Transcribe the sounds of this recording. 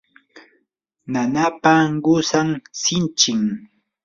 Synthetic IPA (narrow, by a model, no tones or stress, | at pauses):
nanapaɢʊsaŋsɪnt͡ʃɪŋ